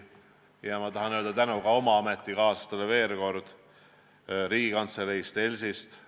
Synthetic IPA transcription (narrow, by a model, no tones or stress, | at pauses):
jɑmɑt̪ɑɦɑnøːld̪ɑt̪ænukɑo̞mɑɑmet̪ˑːikɑːsɑ̥st̪ɑleve̞ːrko̞rd̪̥ | ɾiːɡ̥ikɑnt̪sleɾejst̪e̞lʲsist̪